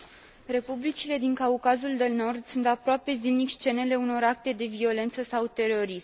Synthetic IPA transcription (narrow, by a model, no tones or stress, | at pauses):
re̞publit͡ʃile̞d̪iŋkaukazuld̪e̞lno̞rd̪sunt̪apɾoape̞zilnikʲst͡ʃe̞ne̞le̞uno̞ɾak̚t̪e̞d̪e̞vio̞le̞nt̪səsawt̪e̞ɾo̞ɾism